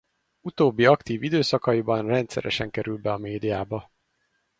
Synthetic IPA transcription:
ut̪oːbːiɒkt̪iːvid̪øːsɒkɒjibɒnrɛnt̪sɛ̰ɾɛʃɛŋkɛɾylbɛɒmeːd̪ijaːbɒ

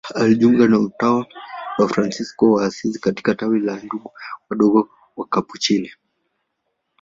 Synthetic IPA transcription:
aliʄuŋɡanam̩tawawafɾansiskɔwaːsizikati̥katawilanduɡuwaɗɔɡɔ | wakaput͡ʃilɛ

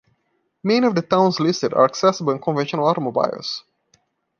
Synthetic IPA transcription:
mɛ̃niɔvdətãʊ̃nzlɪstɨdə̰ɹæksɛsəbəlˠɪ̃nkʰɔ̃nvɛ̃nʃə̃nəlˠaɾəmoba̰ɪ̰s

